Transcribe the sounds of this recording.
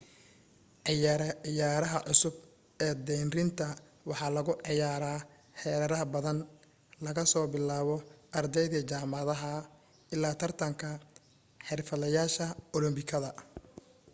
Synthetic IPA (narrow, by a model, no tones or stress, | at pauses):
ʕɪjaɾɐɪjaːɾɐɦɐʕʊsʊb | ɛːd̪ɛjnrɪnt̪ʰɐ | wɑħɑːlɐɣʊʔʕɪjaːɾaː | ħɛːɾɐɾɐɦɐbɐðɐn | lɐɣɐsɔːbɪlaːβɔɐrd̪ɛjðɐt͡ʃaːmɑðɐɦɐ | ɪlːaːt̪ʰɐrt̪ʰɐŋkʰɐ | ħɛrfɐlɐjaːʃɐɔlɔmbɪkʰɐðɐ